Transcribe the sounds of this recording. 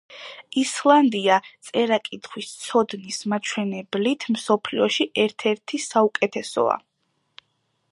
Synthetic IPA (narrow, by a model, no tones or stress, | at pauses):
islˠand̪iat̪sʼɛɾakʼit̪ʰχʰwist̪sʰɔd̪nismat͡ʃʰwɛnɛblit̪ʰmsɔpʰliɔʃiʔɛɾt̪ʰɛɾt̪ʰisaukʼɛt̪ʰɛsɔ̰a̰